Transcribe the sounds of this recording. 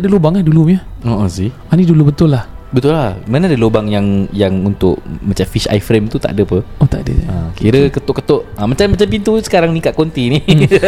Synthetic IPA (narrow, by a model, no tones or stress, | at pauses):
adəlobaŋahduluɲəoosi | anidulubət̪ʊlah | bənt̪ʊlahmanaadəlobaŋjaŋjaŋunt̪ʊ̰ʔmat͡ʃamfiʃa̰jfɾemt̪ut̪a̰ʔdəapəot̪aʔdə̰akiɾəkət̪ʊʔkət̪oʔamat͡ʃamːat͡ʃampint̪usə̥kaɾaŋnĩkaʔ̪̚kont̪ini